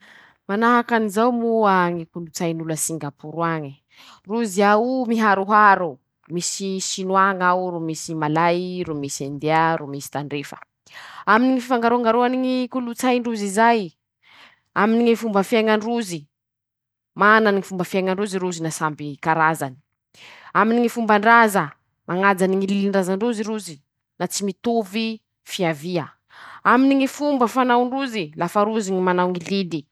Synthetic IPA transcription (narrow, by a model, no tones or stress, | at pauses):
manaɦakanizawmuaŋikulut͡sajnuləsiŋɡapuɾuaɲi | ruziaumiɦaɾuɦaɾu | misisinwaŋaɾumisimalajɾumisand̪eaɾumisi̥t̪aɳɖ͡ʐefə̥̰ | aminiŋififaŋɡaɾuaŋɡaɾuaniŋikulut͡sajɳɖ͡ʐuzizaj | aminiŋifumbəfiaŋanruzi | mananiŋifumbəfiaŋaɳruziɾuzinasambikaɾazani̥ | aminiŋifumbaɳɖ͡ʐazə | mʔaŋad͡zaniŋililinɖ͡ʐazaɳɖ͡ʐuziɾuzi | nat͡simit̪ovi | fiaviə | aminiŋifumbəfanawɳɖ͡ʐuzilafaɾuziŋimanawŋilili